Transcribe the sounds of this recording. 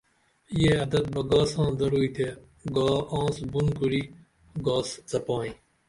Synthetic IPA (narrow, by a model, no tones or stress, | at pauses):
jeːɐd̪ɐt̪̚bɐɡaːsãːd̪ɐɽuːit̪ʰe | ɡaːãːsbunkuɽiː | ɡaːszɐpãːĩː